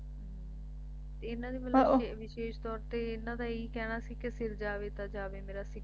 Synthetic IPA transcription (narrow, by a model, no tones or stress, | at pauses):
t̪eɪnãːd̪iːməlʋɪʃeːʃt̪ɔːɾt̪eːɪnːãːd̪ãːiːkɛːɽ̃aːsiːkɪsɪɾd͡ʒaːʋeːt̪aːd͡ʒaːʋeːmeːɾaːsɪk